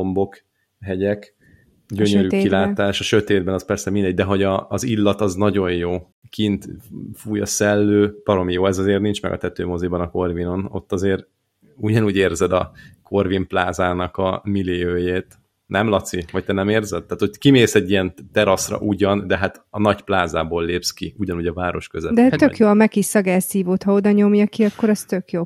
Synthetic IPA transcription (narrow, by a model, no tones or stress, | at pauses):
ombo̞k | ɦɛɟɛk | ɟøɲøɾykilaːt̪aːʃɒʃø̞t̪eːd̪bɛnɒspɛrsɛmind̪ɛɟ̚d̪ɛɦo̞ɟɒːzilːɒt̪ɒznɒɟo̞jjoː | kint̪fuːjɒsɛlːøːb̥ɒɾo̞mijoːɛzɒzeːrnint͡ʃmɛ̰ɡɒ̰t̪ɛt̪øːmo̞zibɒnɒko̞rvino̞no̞̰t̪ːɒzeːɾ | uɟɒnuːɟeːrzɛd̪ɒkʰo̞rvimplaːzaːnɒkɒmiliøːjeːt̪ | nʔɛmlɒt̪siʋɒc̚t̪ɛnɛmeːrzɛd̪̚ːaːt̪hockimeːsɛɟːijɛnt̪ɛɾɒsrɒ̰ʔuɟɒnd̪ɛɦat̪ | ɒnɒcplaːzaːboːlːeːpskiuɟɒnuːɟɒvaːɾo̞ʃkøzɛdd̪ɛøkjoːɒmɛkiʃɒɡasiːvoːt̪hɒo̞d̪ɒɲomjɒkiɒkːo̞ɾɒst̪økjoː